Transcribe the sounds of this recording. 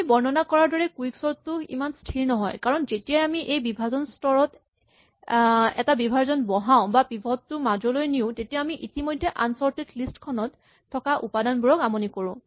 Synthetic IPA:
ibɔɹnɔnakɔɹaɹdɔɹɛkuiksɔɹtːʊḭmanstʰiɹnɔɦɔ̰jkaɹɔnzetijajamiʔejbibʱazɔnstɔɹɔt | ɛ̰tabibʱaɹzɔnbɔɦaʊ̃bapibʱɔtːʊmad͡ʒɔlojniʊ̃tetijaamiʔitimɔjdʱːɛʔansɔɹtetlistkʰɔnɔtʰː | ɔkaʔṵpadanbuɹɔkamɔnikoɹʊ̃

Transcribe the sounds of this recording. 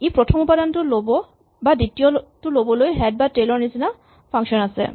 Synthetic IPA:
epɹɔtʰɔmupadantulobɔ | baditijɔtulobɔlojɦɛd̚baʈelɔɹnisina | pʰaŋʃɔnasɛ̰

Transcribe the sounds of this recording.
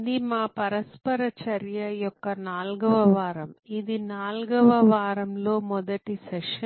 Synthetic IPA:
d̪imaːpɐɾɐspɐɾɐt͡ʃɐɾjɐjɔkːɐnaːlɡɐʋɐʋaːɾɐmid̪inaːlɡɐʋɐʋaːɾɐmlo̞ːmɔd̪ɐʈisɛʂɐ

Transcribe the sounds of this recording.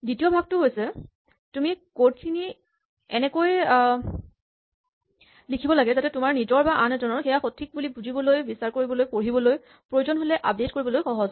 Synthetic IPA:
ditiɔbʱaɡ̚tʊɦojsɛ | tumikotkʰini | ɛnɛkoj | likʰibɔlaɡɛzatɛtʊmaɹnizɔɹbaʔanɛdɔnɔɹxɛjaxotʰːik̚bulibuzʱibɔlojbisaɹkoɹibɔlojpoɹibɔloj | pɹojozɔnɦolɛʔap̚det̚koɹibɔlojxɔɦɔz

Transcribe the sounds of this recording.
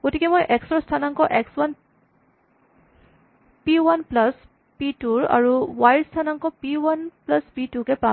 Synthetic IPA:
ɡ̥otikɛmojʔɛkstɹastʰanaŋkɔʔɛkswan | piwanplas | pituɹa̰ɹuwajɹstʰanaŋkɔpiwanplaspitukɛpa

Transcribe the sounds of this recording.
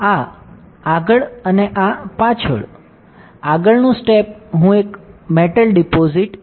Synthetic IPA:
a | aɡəɭəneʔapãt͡ʃʰə̰ɭ | aɡəɭnũsʈep̚ɦũekmeʈəlɖipoziʈ

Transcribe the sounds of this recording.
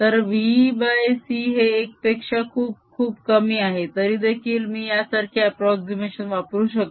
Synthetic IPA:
t̪əɾʋibasiːɦeːk̚pekʂakʰuːb̚kʰuːbkəmiːaɦet̪əɾiːd̪ekʰiːlmiːjasaɾkʰjaːpɾɔksimeɕənʋapɾuːɕək

